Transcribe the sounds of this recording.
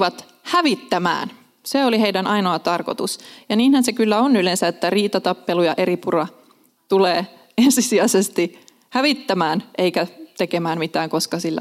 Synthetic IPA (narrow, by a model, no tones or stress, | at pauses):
ʋɑt̪ | hæʋit̪ːæmæ̰ːn | seoliheidænɑinoɑt̪ɑrkot̪usjɑniːnhænsekylːæonylensæet̪ːæriːt̪ɑt̪ɑpːelujɑʔe̞ɾipurɑ | t̪uleː | ensisiæsest̪i | hæʋit̪ːæmæːnʔeikæt̪ekemæːmmit̪æːŋko̞skɑsilːæ̰